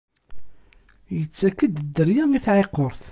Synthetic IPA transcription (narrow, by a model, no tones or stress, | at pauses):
jət͡sːækːəd̪d̪ːəɾjæŋiθʕeqːoɾˤθ